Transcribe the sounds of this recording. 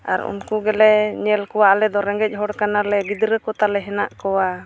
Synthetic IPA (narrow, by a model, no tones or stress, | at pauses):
a̰ɾṵnkuɡɛlɛɲɛlkɔwaʔlɛd̪ɔɾɛŋɡɛc̚ˀɦɔɽkanalɛɡid̪ɾəkɔt̪alɛɦɛnaʔkɔwa